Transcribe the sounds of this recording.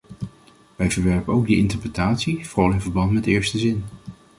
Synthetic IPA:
ʋɛjvəɹʋɛɹpənowɡdəʔɪntəɹprətaːtsivrɑlɪnvəɹbɑntmɛtɪːɹstəzɪn

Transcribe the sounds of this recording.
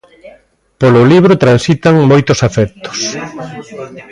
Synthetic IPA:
polʊliβ̞ɾʊt̪ɾansit̪aŋmojt̪ʊsafɛkt̪o̥s

